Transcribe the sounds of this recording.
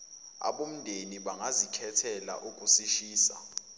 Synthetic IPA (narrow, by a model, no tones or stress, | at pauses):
a̰ɓom̩ndʱeniɓaŋazikʰɛtʰɛla̰ʔuk̬ʼusiʃiːsa̰